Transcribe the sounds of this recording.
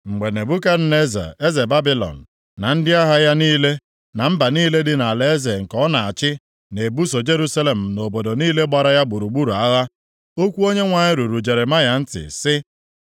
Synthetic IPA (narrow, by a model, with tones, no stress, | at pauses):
ŋ͡m̩˨ɡ͡be˨ne˨bu˦ka˦ne˦za̰˨e˦ze˨ba˦bi˦lɔ̰˨n̩˨ | na˨n̩˦dɪ˦a˦ɦa˦ja˦niː˦le˦ | na˨m̩˦ba˨niː˦le˦dɪ˦na˨le˦e˦ze˨ŋ̩˨kɔ˦na˨a˨t͡ʃɪ˦ | ne˨bu˦so˨d͡ʒe˦ɾu˦sa˦le˨m̩˨no˨bo˨do˨niː˦le˦ɡ͡ba˨ɾa˦ja˦ɡ͡bu˨ɾu˨ɡ͡bu˦ɾu˨a˦ɣa˦ | o˦kʷu˦o˦ɲe˦ŋʷa˨ɲɪ˦ɾu˨ɾu˨d͡ʒe˨ɾɪ˨ma˦ja˨n̩˦tɪ̰˨sɪ˦